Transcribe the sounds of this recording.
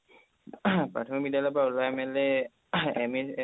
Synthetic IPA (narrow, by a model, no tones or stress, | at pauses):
pɹa̰tʰɔmik̚bidjalɔjpaulɔɛmɛlɛ | ɛmi